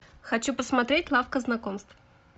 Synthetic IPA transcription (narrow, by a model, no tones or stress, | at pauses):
xɐt͡ɕupəsmɐt̪ɾʲetʲlˠafkəznɐkomst̪v